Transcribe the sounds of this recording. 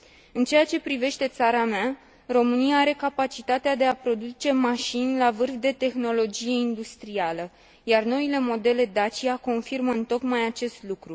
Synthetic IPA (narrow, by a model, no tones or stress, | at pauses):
ɨnt͡ʃe̞jat͡ʃe̞pɾive̞ʃt̪e̞t̪saɾamea | ro̞mɨnijaaɾe̞kapat͡ʃit̪at̪ead̪e̞apɾo̞d̪ut͡ʃe̞maʃinʲlavɨrfd̪e̞t̪e̞xno̞lo̞d͡ʒije̞ind̪ust̪ɾialə | jarno̞ile̞mo̞d̪e̞le̞d̪at͡ʃiako̞nfirməɨnt̪o̞kmajat͡ʃe̞st̪lukɾu